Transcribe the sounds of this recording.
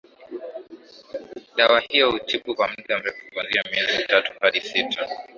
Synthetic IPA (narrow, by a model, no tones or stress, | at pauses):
ɗawahijɔhut͡ʃiɓukwam̩ɗam̩ɾɛfukwanziamiɛziitatu̥haɗisitʰa